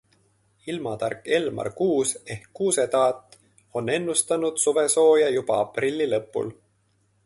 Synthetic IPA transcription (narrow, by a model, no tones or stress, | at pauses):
ilmɑt̪ɑrkːˑe̞lmɑ̰rkuːse̞hkːuːse̞t̪ɑːt̪ːˑ | o̞nːe̞nːust̪ɑnud̪̥suve̞so̞ːjɑjub̥ɑ̰ɑprilʲːilɤpːˑṵl